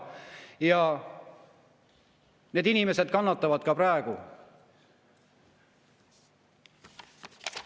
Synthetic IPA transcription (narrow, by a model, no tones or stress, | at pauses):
jɑ | ne̞ːd̪inime̞se̞d̪̥kɑnːɑt̪ːˑɑvɑd̪̥kɑpɾɑeɡ̥u